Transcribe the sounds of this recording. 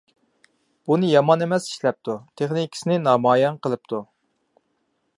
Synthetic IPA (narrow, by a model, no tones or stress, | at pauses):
b̥unɨjɑmɑnemɛsi̥ʃlɛp̚t̪ʰut̪ʰeχnikʲʰi̥sɪnɪnɑmɑːjɑŋqʰəlˠɨp̚t̪ʰu